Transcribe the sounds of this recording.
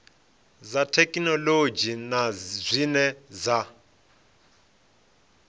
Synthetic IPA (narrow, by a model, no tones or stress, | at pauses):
zatʰɛkʼinɔlod͡ʒinazʷinɛza